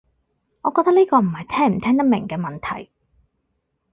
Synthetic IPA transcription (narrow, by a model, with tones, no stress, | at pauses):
ŋɔː˨kɔː˧t̪ɐ˥niː˥kɔː˧m̩˨˩hɐ˨˩jt̪ʰɛː˥ŋm̩˨˩t̪ʰɛː˥ŋt̪̬ɐ˥mɪ̰˨˩ŋkɛː˧mɐ˨nt̪ʰɐ̰˨˩j